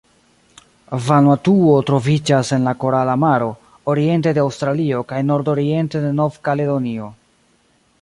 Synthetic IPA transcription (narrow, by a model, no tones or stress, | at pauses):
vanwatuo̞tɾo̞vid͡ʒase̞nlako̞ɾalamaɾo̞ | oɾie̞nte̞deawstɾalio̞kajno̞ɾdo̞ɾie̞nte̞de̞no̞vkale̞do̞nio̞